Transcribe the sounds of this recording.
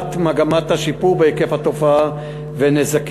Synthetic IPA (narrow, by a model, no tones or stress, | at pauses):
tmaɡamathaʃipuʁbeikefhat̪o̞faa | venezak